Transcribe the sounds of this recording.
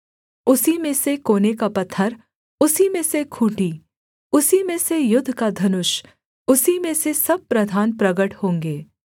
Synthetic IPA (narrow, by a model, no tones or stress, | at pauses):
ʊsimẽsekoːnekapɐt̪ʰːəɾ | ʊsimẽsekʰuːʈi | ʊsimẽsejʊd̪ʱːkad̪ʱɐnʊʃ | ʊsimẽsesɐb̚pɾɐd̪ʱaːnpɾɐɡəʈhõːŋɡeː